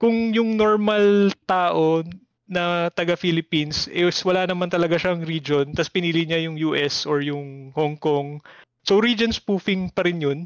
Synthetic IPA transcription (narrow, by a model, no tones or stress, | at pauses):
kʊŋjʊŋnoɹmɐlt̪aːʔo̞ | nɐt̪ɐɡafilɪpinsʔɛswɐlaːnɐmant̪ɐlɐɡaʃɐɐŋɾiːd͡ʒo̞nt̪ɐspɪniːlɪɲajʊŋjuːʔɛsoɹjʊŋhoŋkoŋ | soɾiːd͡ʒonspuːfɪŋpɐɾɪnjon